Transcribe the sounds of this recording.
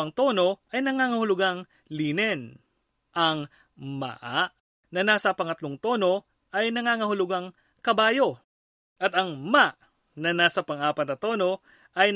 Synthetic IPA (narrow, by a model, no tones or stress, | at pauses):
ɐŋt̪o̞ːno̞ʔɐjnɐŋaːŋɐhʊlʊɡaŋ | liːnɛn | ʔɐŋ | ma̰ʔaʔ | nɐnaːsɐpɐŋɐt̪loŋt̪o̞ːno̞ | ʔɐjnɐŋaːŋɐhʊlʊɡaŋ | kɐbaːjo̞ | ʔɐt̪ɐŋmaʔ | nɐnaːsɐpɐŋʔaːpɐt̪ɐt̪o̞ːno̞ | ʔɐj